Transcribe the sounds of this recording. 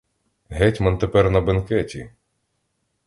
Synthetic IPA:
ɦɛtʲmɐnt̪epɛrnɐbenkɛtʲi

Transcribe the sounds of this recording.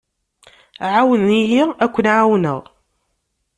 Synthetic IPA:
ʕawəniɦiækʷːənʕawnə̰ðˤ

